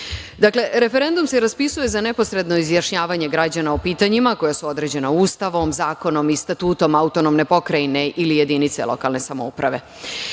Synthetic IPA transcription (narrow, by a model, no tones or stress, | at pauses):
d̪akle̞ɾe̞fe̞ɾe̞nd̪umseɾaspisuje̞zane̞po̞sɾe̞d̪no̞izjaʂɲaːʋaɲe̞ɡɾad͡ʑanaopiːt̪aɲimako̞jasuo̞d̪ɾe̞d͡ʑe̞nauːst̪aʋo̞mzaːko̞no̞mist̪at̪uːt̪o̞maut̪onomne̞po̞kɾajne̞ʔilije̞d̪init̪se̞̰lˠo̞̰kalˠne̞samoupɾaʋe̞̰